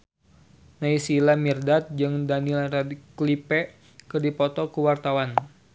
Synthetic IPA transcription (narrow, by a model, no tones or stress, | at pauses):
naisilamirdat̪̚d͡ʒɨŋdanilradklipɛ | kɨrdipɔt̪ɔkuwart̪awan